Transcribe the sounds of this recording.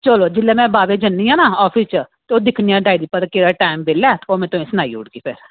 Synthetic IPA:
t͡ʃəloːd͡ʒɪlːɛːmɛ̃ːbaːʋeːd͡ʒənːiːãːnaːɔːpʰist͡ʃət̪eoːd̪ɪkʰniːãːɖaːid̪iːpəɾkeːɾaːʈaːɪmbeːlaːt̪oːmɛ̃ːt̪oẽːsnaːḭːʊɽɡiːpʰɪɾ

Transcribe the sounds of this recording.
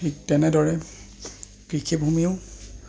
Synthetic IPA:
iktɛnɛdɔɹɛ | kɹikʰibʱumiʊ

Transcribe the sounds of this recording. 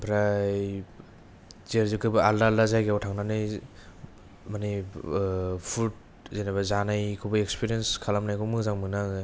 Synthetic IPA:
pʰɾaj | zeɾzɯkʰɯbɯaldaldazajɡeawtʰaŋnanɯj | mani | pʰut̚ | zejnabazanajkʰubɯekspʰiɾijenskʰalamnajkʰɔmɯzaŋmɯnaŋɯ

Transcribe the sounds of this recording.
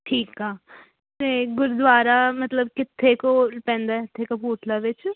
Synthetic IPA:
ʈʰiːkaː | t̪eːɡʊɾd̪ʋaːɾamɐt̪ləbkɪt̪ʰːekolpɛ̃ːnd̪aɪt̪ʰːekopuːʈʰlaʋɪt͡ʃ

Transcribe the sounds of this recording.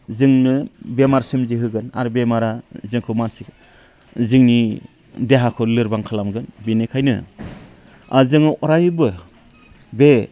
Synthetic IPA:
zɯŋnɯbemaɾsɯmziɦɯɡɯna̰ɾbemaɾazɯŋkʰɯmansik | zɯŋni | deɦakʰɯlɯɾbaŋkʰalamɡɯnbinekʰajnɯ̰ | a̰zɯŋɯʔɔɾajbɯ | be

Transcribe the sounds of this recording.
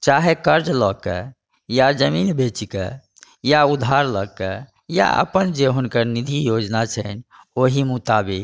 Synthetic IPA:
t͡ʃaɦekəɾd͡ʒlɔkə̰ | jad͡ʒəminbet͡ʃikə̰ | jaud̪ʱaɾlɔɡ̚kə | ja̰ə̰pənd͡ʒeɦunkəɾnid̪ʱijod͡ʒnat͡ʃʰɛn | oɦimut̪abik

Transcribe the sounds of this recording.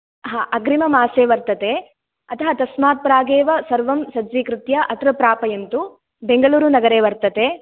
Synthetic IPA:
ɦaːʔɐɡɾimɐmaːseːʋɐɾt̪ɐt̪e | ɐt̪ʰɐɦɐt̪ɐsmaːt̪̚pɾaːɡeːʋɐsɐɾʋɐmsɐd͡ʒʋikɾɪt̪jɐʔɐt̪ɾɐpɾaːpɐjɐnt̪u | beŋɡɐɭuːɾunɐɡɐɾeːʋɐɾt̪ɐt̪e

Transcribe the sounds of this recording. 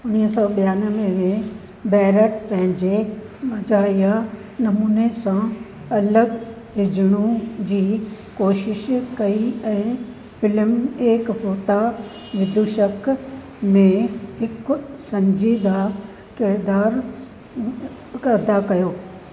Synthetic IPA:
ʊnisɔːɓijaːnəmẽmẽ | bɛːɾəʈpɐ̃ɦɪ̃ɲd͡ʑe | mɐd͡ʑaːija | nɐmuːnesã | ɐləɡ | ɦɪd͡ʑɽ̃ũd͡ʑiː | koːʃɪʃkɐiɛ̃ː | fɪlmeːkɦoːt̪a | ʋɪd̪ʱuʃək | mẽɦɪksɐ̃ɲd͡ʑiːd̪a | kɪɾd̪aːɾ | kɐd̪akɐjoː

